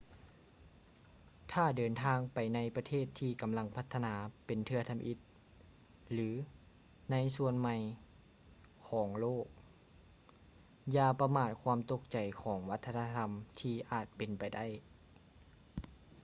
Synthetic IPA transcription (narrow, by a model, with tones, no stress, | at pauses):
t̪ʰaː˥˩dɤː˨˩nt̪ʰaː˧ŋpa˨jna˧˥jpa˧t̪ʰeː˥˩t̪ʰːiː˧˩ka˨mla˧˥ŋpʰa˧˥t̪ʰːa˧naː˩˦pe˨nt̪ʰɯ˧ɐt̪ʰa˧mʔi˧˥t̪̚ | lɯː˩˦ | na˧˥jsu˧ənma˧j | kʰɔː˩˦ŋloː˥˩k̚ | jaː˧˩pa˧maː˧˩t̪̚kʰwaː˧˥mt̪o˧˥k̚t͡ɕa˨˩jkʰɔː˩˦ŋwa˦˥t̪ʰːa˧naː˧t̪ʰa˧mt̪ʰiː˧ʔaː˨˩t̪̚pe˨npa˨jda˥˩˨j